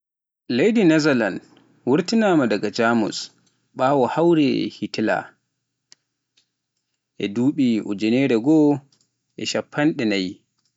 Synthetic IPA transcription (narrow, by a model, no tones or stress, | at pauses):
lejdinazalan | wuɾtinaːmadaɡad͡ʒaːmṵs | ɓaːwɔhawɾɛ̰hitila̰ | ʔɛduːɓiɔ̰d͡ʒɛnɛɾɛɡɔ | ʔɛʃapʰːanɗɛnaj